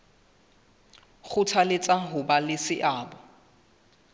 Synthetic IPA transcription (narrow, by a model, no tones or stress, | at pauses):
χʊtʰalet͡sʼaɦʊbalɪsɪʔaːbɔ